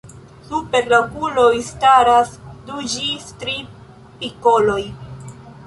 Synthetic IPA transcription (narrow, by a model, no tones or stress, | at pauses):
supe̞ɾlakulo̞jstaɾasdud͡ʒistɾi | piko̞lo̞j